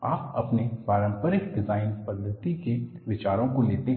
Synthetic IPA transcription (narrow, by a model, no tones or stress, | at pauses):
a̰ːpɐ̰pnepaːɾə̃mpəɾɪk̚ɖɪzaːɪnpɐd̪ʱət̪ikeʋɪt͡ʃaːɾõkoleːt̪e